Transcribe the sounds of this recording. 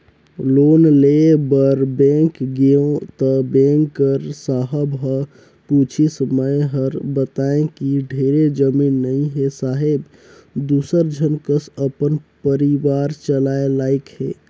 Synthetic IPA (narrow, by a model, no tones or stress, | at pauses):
loːnlebəɾbẽŋkɡeõt̪əbẽŋkːəɾsaɦəbɦə | put͡ʃʰisəməjɦəɾbət̪aẽkiɖʱeːɾed͡ʒəmiːnːəĩɦesaɦeb | d̪uːsəɾd͡ʒʱənkəsəpənpəɾiʋaːɾt͡ʃəlaelaːɪkhḛ